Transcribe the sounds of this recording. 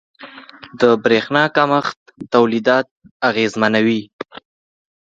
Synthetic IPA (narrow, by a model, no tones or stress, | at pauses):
d̪əbɾexnɑkaməxt̪ːawlid̪ɑt̪̚aɣezmanawi